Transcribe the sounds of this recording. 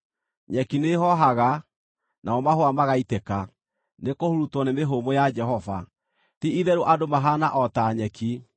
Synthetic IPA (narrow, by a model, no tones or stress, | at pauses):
ɲɛkineɦɔɦaɣa | naɔmahoamaɣaitɛka | nekohoɾutɔnemeɦomojad͡ʒɛɦɔva̰ | tiiðɛɾoʔadomaɦanaʔɔtaɲɛki